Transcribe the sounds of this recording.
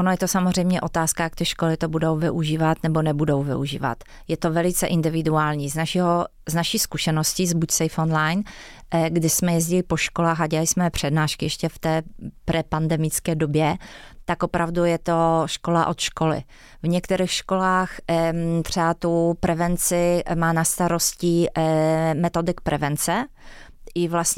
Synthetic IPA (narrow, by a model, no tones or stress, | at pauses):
onojɛt̪osamozr̝ɛjmɲɛʔo̞t̪aːskajak̚t̪ɪʃkolɪt̪obudowvɪʔuʒiːvat̪nɛbonɛbudowvɪ̰uʒḭːva̰t̪ | jɛt̪ovɛlɪt͡sɛʔɪndɪvɪduaːlɲiːznaʃiɦo | znaʃiːskuʃɛnoscizbucsɛjfonlajn | ɡdɪsmɛjɛzɟɪlɪpo̞ʃkolaːxaɟɛalɪsmɛpr̝̥ɛdnaːʃkɪjɛʃcɛft̪ɛːpɾɛpandɛmɪt͡skɛːdobjɛt̪akʔopɾʔavdujɛt̪oʃkola̰ʔo̞t̪ʃkolɪ̰ | vɲɛkt̪ɛɾiːxʃkolaːxt̪r̥ɛat̪upɾɛvɛnt͡sɪmaːnast̪aɾoscɪ | mɛt̪o̞dɪkpɾʔɛvɛnt͡sɛ | ʔɪvlasɲ